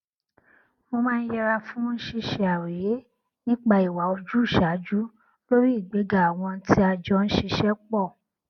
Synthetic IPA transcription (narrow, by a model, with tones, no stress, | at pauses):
mo˧mãː˦n̩˦jɛ˧ɾa˧fũ˦n̩˦ʃi˦˧ʃɛ˨˧a˨we˨˦ | nĩ˦k͡pa˧i˨wa˨˦o˧d͡ʒu˦˨ʃa˨˦d͡ʒu˦ | lo˦ɾi˦i˦˨ɡ͡be˨˦ɡa˨a˨w̃ɔ̃˧˦tʰi˦a˧d͡ʒɔ˧˦ñ̩˦ʃi˧ʃɛ˦k͡pɔ˦˨